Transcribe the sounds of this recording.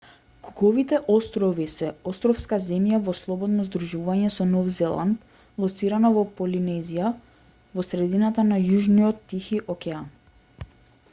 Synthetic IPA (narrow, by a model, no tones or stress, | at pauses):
kuɡɔvit̪ɛʔɔst̪ɾɔvisɛɔst̪ɾɔfskazɛmjavɔslˠɔbɔd̪nɔzd̪ɾuʒuvaɲɛsɔnɔvzɛlˠa̰nt̪ | lˠɔt̪siɾanavɔpɔlinɛzija | vɔsɾɛd̪inat̪anajuʒniɔt̪ːixiʔɔkɛan